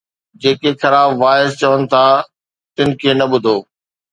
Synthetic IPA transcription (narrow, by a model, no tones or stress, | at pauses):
d͡ʑeːkexɐɾaːbʋaːɪst͡ɕɐʋənɪ̆t̪ʰaː | t̪ɪnɪ̆kʰeːnɐɓʊd̪ʱoː